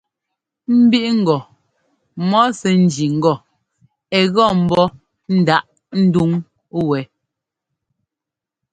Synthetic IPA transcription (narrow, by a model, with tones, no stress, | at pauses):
m̩˦bi˦ʔŋ̩˦˨ɡɔ˨ | mɔ˦sɛ˨n̩˦d͡ʒi˨ŋ̩˦ɡɔ˦˨ | ɛ˨ɣɔ˦˨m̩˦bɔ˦ | n̩˦da˦ʔ | n̩˦du˦ŋ | wɛ˨˦